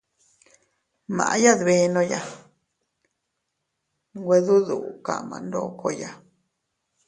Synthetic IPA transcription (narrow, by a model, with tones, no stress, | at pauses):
mã̰˨ʔa˧˦ja˦ðβe˧˦nõ˧ja˧ | ɡʷwe˧ðu˦ðu˨ka̰˨mã̰˧nd̪o˦kʰo˧ja˧